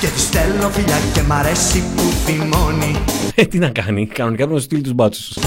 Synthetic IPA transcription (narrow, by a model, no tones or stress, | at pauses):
cet̪ist̪elnofiʎacːemɐɾesːipufimonit̪inɐkɐnikɐno̞nikɐpɾit̪ost̪ilit̪uzbɐt͡su̥s